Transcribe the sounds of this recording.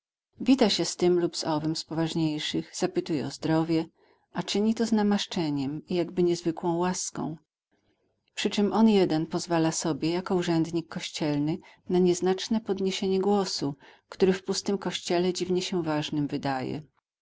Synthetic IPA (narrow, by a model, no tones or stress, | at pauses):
vʲit̪aɕɛst̪ɘmlubzɔvɘmspɔvaʐɲejʂɘɣz̥apɘt̪ujɛɔzd̪ɾɔvʲjɛ | ʔat͡ʂɘɲit̪ɔznamaʂt͡ʂɛɲɛmijaɡbɘɲɛzvɘkwɔ̃w̃waskɔ̰̃w̃ | pʂɘt͡ʂɘmʔɔnjɛd̪ɛnpɔzvalasɔbʲjɛjakɔuʐɛnd̪ɲikʰːɔɕt͡ɕɛlnɘnaɲɛznat͡ʂnɛpɔd̪ɲeɕeɲɛɡwɔsukt̪uɾɘfpust̪ɘmkɔɕt͡ɕɛlɛd͡ʑivɲɛɕɛvaʐnɘmvɘd̪ajɛ̰